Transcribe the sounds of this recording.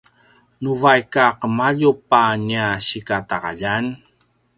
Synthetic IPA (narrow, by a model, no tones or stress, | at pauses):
nuvajkaqəmaʎupaɲiaɕikataʁa̰ʎan